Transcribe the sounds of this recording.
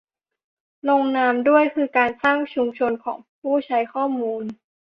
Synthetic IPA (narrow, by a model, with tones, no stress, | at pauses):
lo˧ŋnaː˧mdu˥˩əjkʰɯː˧kaː˧nsaː˥˩ŋt͡ɕʰu˧mt͡ɕʰo˧nkʰɔ̰ː˩˦ŋpʰuː˥˩t͡ɕʰa˦˥jkʰɔː˥˩muː˧n